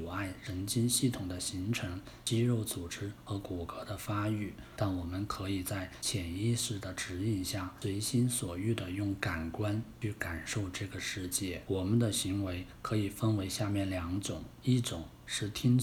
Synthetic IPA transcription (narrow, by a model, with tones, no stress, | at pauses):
a˥˩ɪɻə˧˥nt͡ɕi˥nɕi˥˩t̪ʰʊ˨˩ŋd̪ə˦ɕi˧˥ŋʈ͡ʂʰɤ˧˥ŋ | t͡ɕi˥ɻo˥˩ʊt͡su˨˩ʈ͡ʂɻ̩˥xɤ˧˥ku˨˩kɤ˧˥d̪ə˧fa˥y˥˩t̪a˥˩nwɔ˨˩mə˦nkʰɤ˧˥i˨˩t͡sa˥˩ɪt͡ɕʰjɛ˨˩ni˥˧ʂɻ̩˥˩d̪ə˩ʈ͡ʂɻ̩˧˥i˥˧nɕja˥˩we˧˥ɪɕi˥nswɔ˨˩y˥˩d̪ə˩jʊ˥˩ŋka˨˩nkwa˥nt͡ɕʰy˥˩ka˨˩nʂo˥˧ʊʈ͡ʂɤ˥˩ɡə˩ʂɻ̩˥˧t͡ɕjɛ˥˩wɔ˨˩mə˧˦nd̪ə˨ɕi˧˥ŋwe˧˥ɪkʰɤ˧˥i˨˩fə˥nwe˧˥ɪɕja˥˧mjɛ˥˩nljɑ˧˥ŋʈ͡ʂʊ˨˩˦ŋ | i˥˩ʈ͡ʂʊ˨˩˦ŋ | ʂɻ̩˥˩t̪ʰi˥ŋ